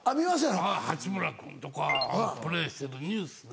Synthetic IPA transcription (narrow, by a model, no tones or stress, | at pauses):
amʲimas̬ẽahat͡ɕibɯ̟ɾakɯ̰̃nt̪okaãpɯ̟ɾeːɕi̥t̪eɾɯɲɯːsɨ